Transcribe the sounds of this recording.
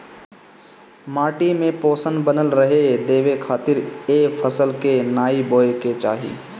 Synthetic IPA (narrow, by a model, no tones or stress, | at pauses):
maːʈimẽpoːsənbənəlɾəɦed̪eːʋekʰaːt̪ɪɾeːfʰəsəlkenaːiboːeket͡ʃa̰ːɦḭː